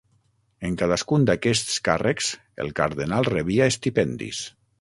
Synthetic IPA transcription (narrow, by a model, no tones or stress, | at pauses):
eŋkaðaskund̪akɛst̪ska̰rʔəkz̥ | ḛlˠka̰ɾðenalˠreβiaest̪ipɛnd̪ḭs